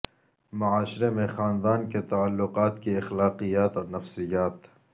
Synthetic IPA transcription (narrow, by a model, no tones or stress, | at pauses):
mɐaːʃɾemẽxaːnd̪aːnket̪aalːʊqaːt̪kiɐxlaːqijaːt̪ɔːɾnɐfsɪjaːt̪